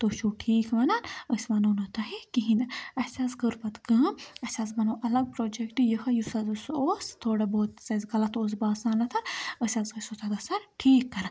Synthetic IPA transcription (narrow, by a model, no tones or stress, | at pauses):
t̪oʃuːʈʰiːkʰʋɐnanəsmɐnoːnɐt̪ɐɦikiɦinɐɐsʲaːzɡəɾpɐt̪ɡɐːmɐsʲaːzbɐnoːʔɐlɐɡ̚pɾoːd͡ʒekʈijɐhɐjusɐzusoːst̪ʰoːɽɐboːt̪sɐzɡɐlɐt̪oːs̬baːsaːnlɐt̪ʰɐɾəsʲazɐsot̪ʰɐd̪ɐsɐɾʈʰiːkːɐɾɐn